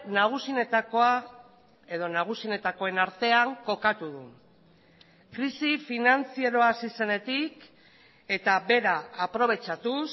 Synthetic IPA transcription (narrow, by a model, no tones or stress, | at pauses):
naɣ̞usineoa | eðo̞naɣ̞usine̞t̪ako̞e̞naɾt̪e̞aŋko̞kat̪uðṵ | kɾisifinant͡sieɾo̞asise̞ne̞t̪ik | e̞t̪abe̞ɾaːpɾo̞β̞e̞t͡ʃat̪us